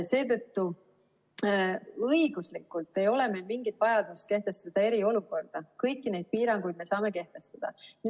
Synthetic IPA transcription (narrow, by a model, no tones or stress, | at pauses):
se̞ːt̪ɤt̪ːu | ɤjɡ̥uslikːˑult̪ːe̞jo̞le̞me̞ːlmiŋɡ̥it̪ːˑvɑjɑd̪̥ust̪ke̞ht̪e̞st̪ɑd̪̥ɑe̞ɾio̞luko̞rd̪̥ɑkɤjkːˑine̞jd̪̚piːɾɑŋɡ̥ujd̪̚me̞sɑːme̞ke̞ht̪e̞st̪ɑd̪̥ɑ̰ni